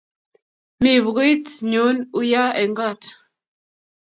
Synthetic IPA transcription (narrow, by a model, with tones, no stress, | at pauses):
mi˨βɣi˦tɲu˨˦nu˦ja˦ɛ˨ŋɡa˦˨t